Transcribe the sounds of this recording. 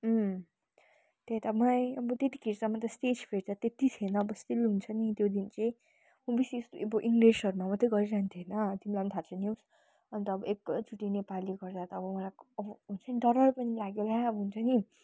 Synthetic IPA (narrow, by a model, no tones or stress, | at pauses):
t̪et̪amʌlajʌbʌt̪et̪i̥kiɾsamat̪ʌsʈet͡spʰeɾd̪ʌt̪et̪it̪ʰienʌːbʌst̪ilɦunt͡sʰʌnit̪jod̪int͡sʌj̃ | mʌbisist̪oebʌʔiŋɡlesʌɾumamʌt̪ʌɡʌɾiɾant̪ʰienʌd̪imlamt̪ʰat͡sʰʌnjis | ʌnt̪ʌʌbʌʔekt͡suʈinepaliɡʌrd̪at̪ʌːbʌmʌlajʌbʌɦunt͡sʰʌniɖʌɾʌrpʌnilaɡjelaʌbʌɦunt͡sʰʌni